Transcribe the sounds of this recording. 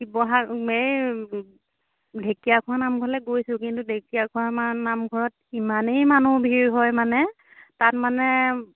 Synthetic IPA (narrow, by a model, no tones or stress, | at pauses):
ibɔɦaej | dʱekijakʰuanamɡʱɔlɛɡojsʊ̃kintudʱekijakʰuamanamɡʱɔɹɔt | imanejmanubʱiɹɦɔjmanɛ | tatmanɛ